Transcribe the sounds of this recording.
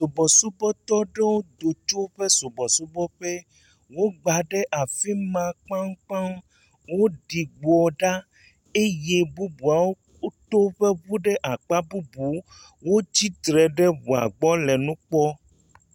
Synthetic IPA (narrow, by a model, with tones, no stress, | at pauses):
so˨bɔ˨su˦bɔ˦t̪ɔ˦ɖe˦wo˦d̪o˨t͡ʃo˦ɸe˦so˨bɔ˨su˦bɔ˦ɸe˦ | wo˦ɡ͡ba˨ɖe˦ʔa˨fi˦mã˨k͡pã˦ŋ˦k͡pã˦m | wo˦ɖi˨ɡ͡bɔ˨ɖa˦ | e˦je˦bu˦bu˨a˨wo˦ | t̪o˦ɸe˦βu˦ɖe˦ʔa˨k͡pa˦bu˦bu˨˦ | wo˦d͡ʑi˦t̪ɾɛ˨ɖe˦βu˨a̰˨ɡ͡bɔ˦lɛ˨nũ˦k͡pɔ˦